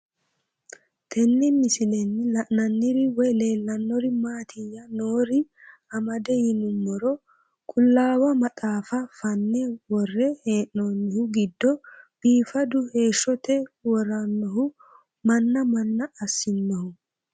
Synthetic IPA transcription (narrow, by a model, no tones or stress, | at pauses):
t̪ʰɛnːɪmɪsɪlɛnːɪlɐʔnɐnːɪɾɪwɔjle̞ːlːɐnːɔɾɪmaːt̪ʰɪjːɐnoːɾɪɐmɐd̪ɛjɪnʊmːɔɾɔ | kʼʊlːaːwɐmɐt̪ʼaːfɐfɐnːɛwɔrːɛheːʔːoːnːɪhʊɡɪd̪ːɔb̥iːfɐd̪ʊhe̞ːʃːɔt̪ɛwɔɾɐnːɔɦʊ | mɐnːɐmɐnːɐːsːɪnːɔhʊ